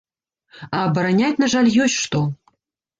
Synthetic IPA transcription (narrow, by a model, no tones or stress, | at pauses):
ɐːbɐɾanʲatʲnɐʐalʲjɔsʲtʲʂt̪ɔ